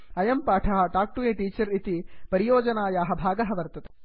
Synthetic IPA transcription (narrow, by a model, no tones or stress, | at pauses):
ɐjɐmpaːʈʰɐɦɐ̆ʈaːk̚ʈuʋeːʈiːt͡ʃɐɾit̪ipɐɾijoːd͡ʒɐnaːjaːɦɐ̆bʱaːɡɐɦɐ̆ʋɐɾt̪ɐt̪e̥